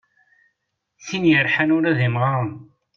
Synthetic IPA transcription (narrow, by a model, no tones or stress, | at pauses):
sinjəɾħanʊɾæðimʁa